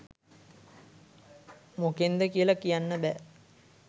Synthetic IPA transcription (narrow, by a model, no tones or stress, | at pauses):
mokend̪əkijəlakijanːəbæ